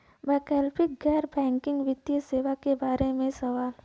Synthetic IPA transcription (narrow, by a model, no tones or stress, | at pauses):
bɛːkɛːlpɪk̚ɡɛːɾbɛ̃ːŋkɪ̃ŋɡʋɪd̪jəseːʋakebaːɾemẽsɐʋaːl